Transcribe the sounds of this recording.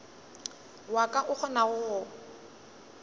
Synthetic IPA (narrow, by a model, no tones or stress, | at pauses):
wakʼaʔʊk͡xʰɔnaʊɣʊ